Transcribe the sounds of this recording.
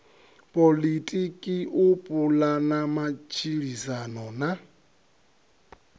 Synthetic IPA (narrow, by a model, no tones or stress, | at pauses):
pʼolitʼikʼiʔupʼulanamat͡ʃʰʼiɺisanɔna